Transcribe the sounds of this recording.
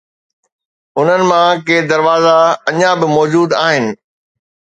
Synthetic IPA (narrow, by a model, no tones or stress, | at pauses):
ʊn̤ənɪ̆mãkeːd̪ɐɾʋaːzaɐɲãbɪmɔːd͡ʑuːd̪aːɦɪnɪ̆